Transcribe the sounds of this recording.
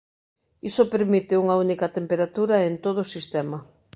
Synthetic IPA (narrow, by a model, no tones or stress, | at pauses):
isopeɾmit̪ɪuŋɐunikɐt̪empeɾat̪uɾɐent̪oðoʊːsist̪ɛmɐ